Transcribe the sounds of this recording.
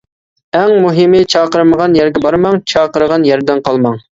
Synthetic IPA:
ɛŋmuɦɨmɨt͡ʃʰɑːqəɾməʁɑnjɛɾɡʲɛbɑɾmɑŋt͡ʃʰɑːqəɾəʁɑnjɛɾd̪ɛnqʰɑlˠmɑŋ

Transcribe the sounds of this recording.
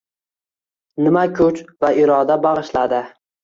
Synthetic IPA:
nɪmakʲʰʊt͡ʃvaɪɾɒd̪abaʁɨʃlad̪ɪ

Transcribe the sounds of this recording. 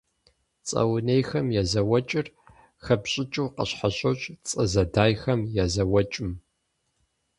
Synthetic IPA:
t͡sʼɐ̰wnejxɐmjaːzɐwɐt͡ʃʼɪr | xɐpɕʼɪt͡ʃʼɨwqɐ̰ɕħaɕʼowɕt͡sʼɐzɐdaːjxɐmjazɐwɐt͡ʃʼɪm

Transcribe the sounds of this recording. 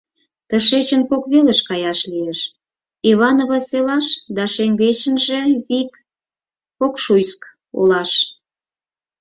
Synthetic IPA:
t̪əʃet͡ɕənkokβeleʃkɑjɑʃlieʃ | iβɑnoβɑselɑʃd̪ɑʃeŋɡet͡ɕə̆nʒe̽ikː | okʃujsk | o̰lɑʃ

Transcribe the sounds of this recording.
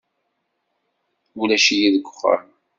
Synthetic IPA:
ulæʃijiðəɡʷːʊ̥χːə̰ɾn

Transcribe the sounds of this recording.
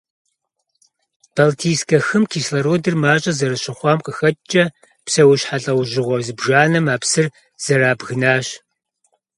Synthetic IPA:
b̥ɐltʰiːskʰɐxɨmkʰiːslɐɾoːdɨrmaːɕʼɐzɐɾɨɕɪχʷɑːmqʼəxɐt͡ʃʼɐ | psɐwʊɕħaɬʼɐwʒɪʁʷɔzɨbʒaːnɐmaːpsɨr | z̥ɐraːbɣɨnaːɕ

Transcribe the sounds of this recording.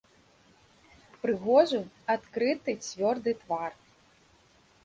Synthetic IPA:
pɾɨɣɔʐuat̪kɾɨt̪ɨt͡sʲvʲɔrd̪ɨt̪var

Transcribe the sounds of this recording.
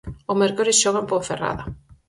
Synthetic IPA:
omɛɾkoɾisʃoɣampofera̰ða

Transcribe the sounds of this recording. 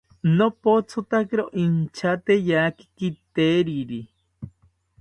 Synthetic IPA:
nopot͡sʰot̪akiɾoʔint͡ʃʰat̪ejaki̥kit̪eɾiɾi

